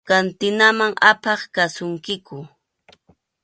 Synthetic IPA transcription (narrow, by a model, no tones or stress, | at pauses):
kant̪ɪnamaŋʔapɑχkasʊŋkɪkʊ